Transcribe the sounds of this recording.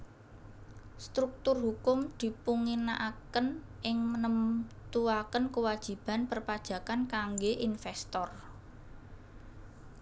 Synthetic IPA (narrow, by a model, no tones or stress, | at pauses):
st̪ɾuk̚t̪ʊrɦukʊmd̪̥i̤puŋinaʔakənʔɪŋmənəmt̪uakənkəwad̥ʒ̥i̤b̥a̤npərpad̥ʒ̥ä̤kankaŋɡeʔinfɛst̪ɔr